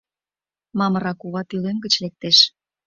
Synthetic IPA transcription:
mɑmə̆ɾɑkuβɑt̪ylønɡət͡ɕlek̚t̪eʃ

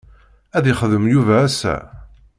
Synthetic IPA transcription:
æðɪχəðəmjuvææsæ̰

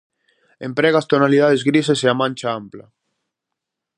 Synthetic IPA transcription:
empɾɛɣast̪onaliðaðezɣɾis̬eseamãnʲt͡ʃaampla

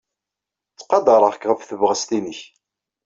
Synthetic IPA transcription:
t͡sːqɑd̪ɑɾˤəʁkʁəfθəvʁəst̪inəç

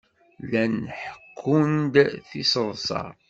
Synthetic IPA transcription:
lænħə̥kʰːund̪θisəðsˤɑ̰

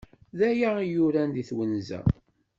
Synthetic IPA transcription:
ðæjaijʊɾænd̪iθwənzæ̰

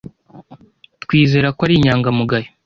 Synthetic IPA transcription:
tkwiːze̞ːɾakwaɾiɲaːŋɡamuɡaji

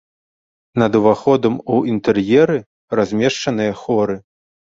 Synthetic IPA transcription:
nɐd̪uvaxɔd̪ɐmuint̪ɛrjɛɾɨ | razʲmʲɛʂt͡ʂɐnɨjɐxɔɾɨ

